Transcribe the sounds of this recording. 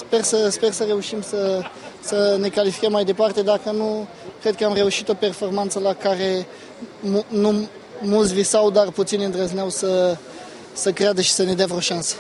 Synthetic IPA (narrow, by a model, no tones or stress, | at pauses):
spe̞rsəspe̞rsəre̞uʃimsəsəne̞kalifi̥kəmːajd̪e̞part̪e̞d̪akənu | kɾe̞d̪̚kəamre̞uʃit̪o̞pe̞rfo̞rmant̪səlakaɾe̞ | munu | mult̪s̬ʲvisawd̪arput̪sinʲɨnd̪rəzneawsə | səkɾead̪əʃi̥səne̞d̪eavɾoʃansə̥